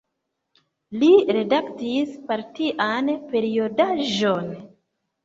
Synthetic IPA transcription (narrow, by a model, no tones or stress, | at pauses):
liɾe̞daktispaɾtiʔanpe̞ɾio̞daʒon